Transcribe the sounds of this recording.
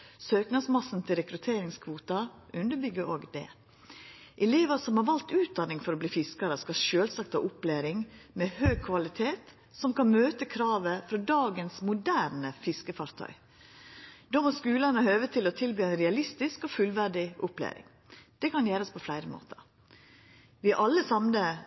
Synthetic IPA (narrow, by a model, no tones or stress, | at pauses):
søːknɑsmɑsn̩t̪ʰɪlɾɛkɾʉt̪ʰeːɾɪŋskʰʋuːt̪ɑʔʉnd̪əbʏɡəɾʔoːɡd̪ɛ̰ | ʔɛleːʋəsɔmhɑɾʋɑlt̪ʉːt̪̚d̪ɑnɪŋfɔɾobliːfɪskɑɾəskɑʃøːlsɑk̚t̪ɑʔʊplæːɾɪŋmɛhœʏkʰʋɑlɪt̪ʰeːt̪ | sɔmkɑnmøːt̪əkʰɾɑːʋəfɾɔd̪ɑːɡənsmʊd̪æːɾnəfɪskəfɑɾt̪ʰœ̰ʏ | d̪̥oːmɔskʉːlənəhøːʋət̪ʰɪlɔt̪ʰɪlbyːæɪnɾɛɑlɪst̪ɪskɔːfʉlʋæɖɪʔʊplæ̰ːɾɪ̰ŋ | d̪̥ɛkɑnjæːɾəɔspʰɔflæɪɾəmo̰ːt̪ə̰ɾ | ʋɪʔɑlːəsɑmnə